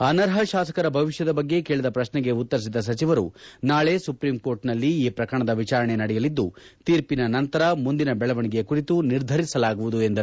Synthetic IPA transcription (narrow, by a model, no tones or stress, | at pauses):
ɐnɐɾɦɐʃaːsɐ̥kɐɾɐbʱɐʋiʃjɐd̪ɐbɐɡːe̞keːɭid̪ɐpɾɐʃnɛɡe̞ut̪ːɐɾis̬id̪ɐs̬ɐt͡ʃiʋɐɾunaːɭe̞ːsupɾimko̞ːɾʈnɐlːiiːpɾɐkɐɐɳɐd̪ɐʋit͡ʃaːɾɐɳenɐɽɛjɐlid̪ːut̪iːɾpinɐnɐnt̪ɐɾɐmund̪inɐbɛɭɐʋɐɳiɡe̞kuɾit̪uniɾd̪ʱɐɾisɐlaːɡuʋud̪ue̞nd̪ɐ